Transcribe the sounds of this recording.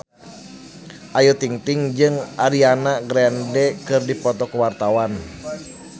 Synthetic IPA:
ʔajut̪iŋt̪iŋd͡ʒɨŋʔaɾianaɡɾɛndɛkɨrdipɔt̪ɔkuwart̪awan

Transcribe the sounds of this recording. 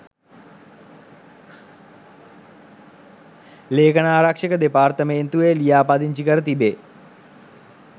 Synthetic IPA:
leːkənaːɾakʂəkəd̪epaːɾt̪əmeːnt̪uʋelijaːpad̪iɲt͡ʃikəɾət̪ibe

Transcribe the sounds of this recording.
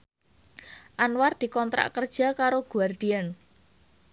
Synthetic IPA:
ʔanward̪̥i̤kɔnt̪ɾa̰ʔkərd̥ʒ̥a̤kaɾoɡ̥uard̪̥ian

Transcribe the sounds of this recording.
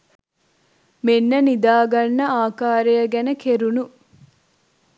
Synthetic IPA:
menːɐnid̪aːɡɐnːɐaːkaːɾejɐɡænɐkʰeɾunu

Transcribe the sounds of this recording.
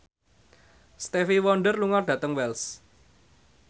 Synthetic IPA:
st̪efiwɔnɖərluŋɔrɖ̥ä̤t̪əŋwɛls

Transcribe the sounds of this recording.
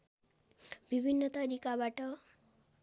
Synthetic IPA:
bibʱinːʌt̪ʌɾikabaʈʌ

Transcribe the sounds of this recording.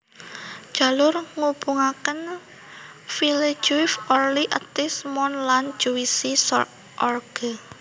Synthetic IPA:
ʒ̥a̤lʊrŋub̥uŋakən | fili̥d͡ʒuɪfɔrliʔət̪ɪsmɔnlan̥d͡ʒ̥uisisɔ | ʔɔrɡ̥ə

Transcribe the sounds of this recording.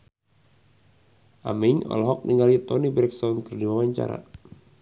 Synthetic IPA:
ʔamɛɲɔ̰lɦɔk̚niŋɡalit̪ɔnibɾɛksɔnkərdiwawaɲt͡ʃa̰ɾa̰

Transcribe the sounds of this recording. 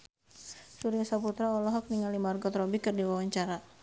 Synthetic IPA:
suɾiasaput̪ɾaɔlɔɦɔk̚niŋalimarɡɔt̪ɾɔbikɨrdiwawaɲt͡ʃaɾa

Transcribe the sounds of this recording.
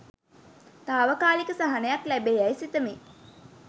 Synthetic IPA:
t̪aːʋəkaːlikəsaɦanejaklæbeːæjsit̪əmi

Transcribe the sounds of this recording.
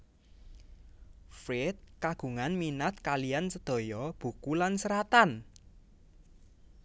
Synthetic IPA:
fɾɪt̪̚kaɡ̥ṳŋanminat̪̚kalijansəd̪̥ɔ̤jɔb̥ṳkulansəɾat̪an

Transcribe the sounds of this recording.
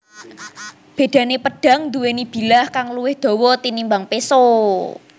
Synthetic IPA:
b̥e̤d̪̥a̤nepəɖ̥ä̤ŋd̪uwenib̥i̤lahkaŋluwɪhd̪̥ɔ̤wɔt̪inimbaŋpeso

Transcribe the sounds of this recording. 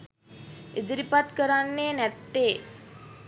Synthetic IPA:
ʔid̪iɾipat̪kəɾanːeːnæt̪ːeː

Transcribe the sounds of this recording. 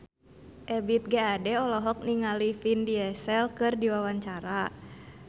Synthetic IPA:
ʔɛbit̪̚ɡɛadɛɔlɔɦɔk̚niŋalifindiɛsɛlkɨrdiwawaɲt͡ʃaɾa

